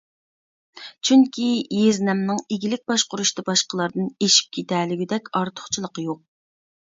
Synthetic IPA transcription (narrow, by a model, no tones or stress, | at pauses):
t͡ʃʰyŋkʲʰijeznɛmnɨŋeɡʲilɪk̚ʲbɑʃqʊɾuʃt̪ɑbɑʃqəlˠɑɾd̪ɨneʃi̥p̚kʲʰet̪ʰɛlɪɡʲid̪ɛkʲɑɾt̪ʰʊ̥χt͡ʃʰilˠəqəjoq̚